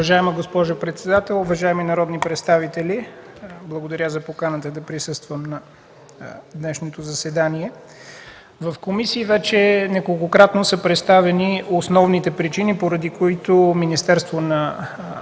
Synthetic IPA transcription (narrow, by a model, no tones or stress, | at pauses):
ɐʒaɛməɡospɔʒʊpɾɛt̪sɛd̪at̪ɛlˠovɐʒaɛminɐɾɔd̪nipɾɛt̪st̪avit̪ɛliblˠəɡod̪ɐɾʲazɐpokanət̪əd̪ɐpɾisɤst̪vəmnɐ | d̪nɛʃnot̪ozɐsɛd̪aniɛ | vɐfkomisiːvɛt͡ʃɛnɛkolˠkokɾat̪nosəpɾɛt̪st̪avɛniosnɔvnit̪ɛpɾit͡ʃinipoɾɐd̪ikoit̪ominist̪ɛɾst̪vonɐ